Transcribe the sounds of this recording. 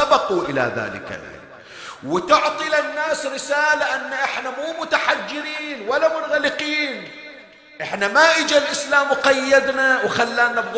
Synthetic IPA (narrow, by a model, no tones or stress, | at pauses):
abɑquʔɪla̰ða̰ːlɪ̰ka̰ʔ | wɪt̪ʊʕt̪ˤilanːaːsɾɪsaːlaʔanːaʔɪħnamuːmʊt̪aħad͡ʒːɪɾiːnwalːamʊnɣalɪqiːn | ʔɪħnamaʔɪd͡ʒalʔɪslaːmwqajːad̪nawxalːaːnabɣ